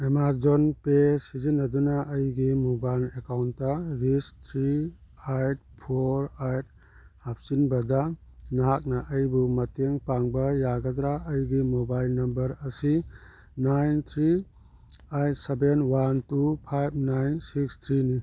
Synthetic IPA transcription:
emad͡ʒonpesizinːɐdunɐʔːjɡimobajlekawnːɐɾist̪ʰɾiajt̚pʰoɾajt̚ | hap̚sinbɐdɐnɐɦak̚nɐʔːjbumɐteŋpaŋbɐjaɡɐd̪ɾaɐjɡimobajlnɐmbɐɾɐsi | najnt̪ʰɾi | ajt̚sebenwantupʰajb̚ʰnajnsikst̪ʰɾini

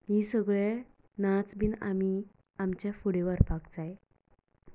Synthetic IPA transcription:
ɦisəɡɭe | nat͡sbʱiːna̰mi | amt͡ɕjafuɽeʋəɾpakd͡zaj

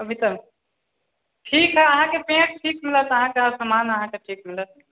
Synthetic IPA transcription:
əbʱit̪əm | ʈʰikɦɛəɦãkepẽʈ̚ʈʰikmilət̪əɦãkeasəmanəɦãkeʈʰikmilət̪̚

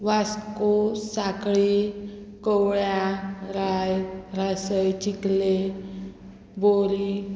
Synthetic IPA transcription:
ʋaskosakɭi | kəwɭjaɾajɾasəjt͡ɕikle | boɾi

